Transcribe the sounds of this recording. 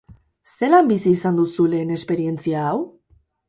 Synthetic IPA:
se̞lambisiːsand̪usule̞ne̞spe̞ɾie̞nt͡siaːw

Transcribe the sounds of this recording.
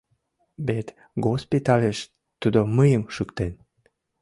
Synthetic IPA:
bet̪ | ɡospit̪ɑleʃ | t̪ud̪oməjəmʃykt̪en

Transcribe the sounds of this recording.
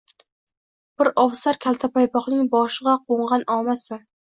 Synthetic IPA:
b̥ɪɾɒvsaɾkʲʰalˠt̪ʰapajpɒχnɪŋbɒʃɨʁɑqʰoɴʁɑnɒmasɪ

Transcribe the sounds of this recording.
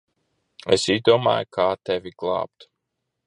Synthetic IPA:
ɛ̰sizd̪uɔma̰ːjukʰaːt̪ɛvʲiɡlˠɑ̰ːp̚t̪

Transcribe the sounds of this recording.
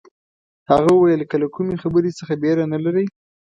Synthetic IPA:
haɣawəwajəlkəlakumexabəɾesəxabeɾanalaɾəj

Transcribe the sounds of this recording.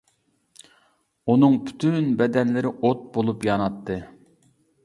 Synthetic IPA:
unɨŋpʰy̥t̪ʰynbɛd̪ɛnlɪɾɪʔot̪̚bolˠupjɑnɑt̪ʰːɨ

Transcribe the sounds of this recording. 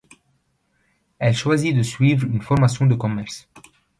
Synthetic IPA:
ɛlʃwazid̪əsɥivʁynfɔʁmasjɔ̃d̪əkɔmɛʁs

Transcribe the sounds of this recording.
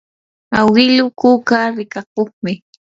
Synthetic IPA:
awɪlʊkukaɾɪkak̚oχmɪ

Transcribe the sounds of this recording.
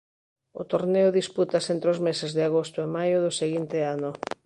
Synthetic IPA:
ʊ̰t̪oɾneʊðisput̪asent̪ɾeozmesezðɪaɣ̞ost̪ʊemajʊðʊseɣint̪ɪanʊ

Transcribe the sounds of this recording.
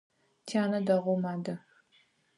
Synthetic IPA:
tʰaːnɐdɐʁʷʊmaːdɐ

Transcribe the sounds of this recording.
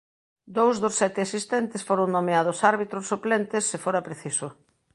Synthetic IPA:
d̪owzðʊsːɛt̪ɪasist̪ɛnt̪ɪsfoɾoŋnomeaðʊsaɾβit̪ɾʊsːuplɛnt̪ɪsːɪfoɾɐpɾeθisʊ

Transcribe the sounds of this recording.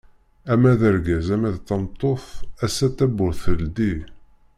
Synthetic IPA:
æmæðəɾɡæzæmæðt̪ːɑmt̪ˤːoθæsːæt̪ːæbʊɾθəld̪i

